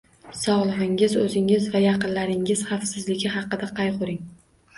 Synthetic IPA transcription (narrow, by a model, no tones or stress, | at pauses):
sɒʁlˠɨʁɪŋɪzɵzɪŋɪzvajɑqɨnlaɾɪŋɪz̥χɑfsɪzlɪɡʲɪɦɑqɨd̪aqʰɑjqʊɾɪŋ